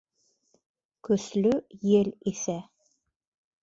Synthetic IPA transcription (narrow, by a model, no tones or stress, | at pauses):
kɵ̆slɵjɘlisæ